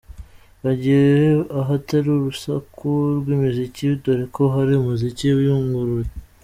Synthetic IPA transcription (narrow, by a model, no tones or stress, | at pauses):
βaɟiɾeaɦataɾoɾusakʰuɾɡwimiziciβidoɾekʰo̞ɦaɾiumuziciβjuːŋɡuɾuɾe